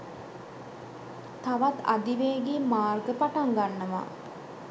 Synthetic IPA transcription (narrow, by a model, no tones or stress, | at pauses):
t̪aʋat̪a̰d̪iʋeːɡiːmaːrɡəpaʈaŋɡanːəʋa̰